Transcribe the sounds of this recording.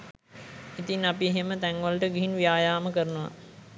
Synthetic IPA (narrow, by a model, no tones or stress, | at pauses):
it̪iŋapieɦemət̪ɛŋʋəlʈəɡiɦinʋijaːjaːməkəɾənəʋa̰